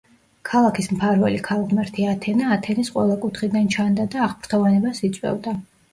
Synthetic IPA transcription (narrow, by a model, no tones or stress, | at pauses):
kʰalˠakʰismpʰaɾvɛ̰likʰalˠʁmɛɾt̪ʰiat̪ʰɛnaːt̪ʰɛnisqʼwɛ̰lˠakʼut̪χid̪ant͡ʃʰand̪ad̪aːʁpɾt̪ʰɔvanɛbasit̪sʼwɛ̰vd̪a